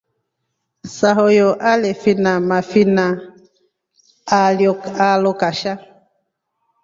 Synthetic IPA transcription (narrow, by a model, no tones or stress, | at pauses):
saɦojoʔalefinamafina | aljoalokaʃa